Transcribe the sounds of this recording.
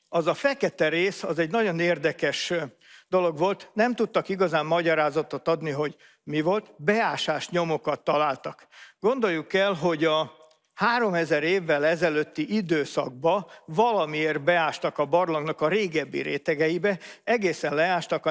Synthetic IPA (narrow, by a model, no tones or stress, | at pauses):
ɒzɒfɛkɛt̪ɛɾeːsɒzɛɟnɒɟo̞neːrd̪ɛkɛʃ | d̪o̞lo̞ɡʋo̞lt̪nɛmt̪ut̪ːɒkiɡɒzaːmːɒɟɒɾaːzɒt̪ot̪ɒd̪niɦo̞ɟ | mivo̞lt̪bɛaːʃaːʃɲo̞mo̞kɒt̪ːɒlaːlt̪ɒkɡ̥o̞nd̪o̞jːukɛlɦo̞ɟɒ | haːɾo̞mɛzɛɾeːvːɛlɛzɛløːt̪ːiʔid̪øːsɒ̰ɡ̚bɒvɒlɒmieːrbɛaːʃt̪ɒkɒbɒrloŋɡnɒkɒɾeːɡɛbːḭɾeːt̪ɛɡɛjibɛɛɡeːsɛnlɛaːʃt̪ɒkɒ